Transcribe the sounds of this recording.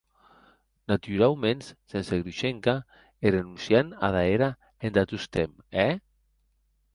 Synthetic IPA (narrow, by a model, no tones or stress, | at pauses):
nat̪yɾalmenssenseɣɾuʃeŋka | eɾenunsjana̰ðaeɾa | end̪at̪ust̪em | ɛ